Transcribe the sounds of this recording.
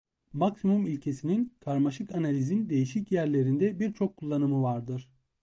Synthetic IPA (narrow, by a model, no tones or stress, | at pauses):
maksimumilʲcʰe̞sininkʰaɾmaʃɯkanalʲizind̪e̞jiʃicjæɾlʲe̞ɾind̪ɛbiɾt͡ʃʰo̞kʰːulˠːanɯmɯvaɾd̪ɯɾ̥